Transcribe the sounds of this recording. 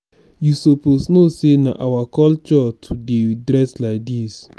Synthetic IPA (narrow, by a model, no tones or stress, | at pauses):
jusoposnosena̰ʔawakɔlt͡ʃɔtʰudedɹɛslaɪk̚dis